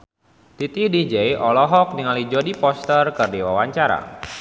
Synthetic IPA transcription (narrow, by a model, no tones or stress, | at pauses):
t̪it̪idid͡ʒejʔɔlɔɦɔk̚niŋalid͡ʒodipɔst̪ərkɨrdiwawaɲt͡ʃaɾa̰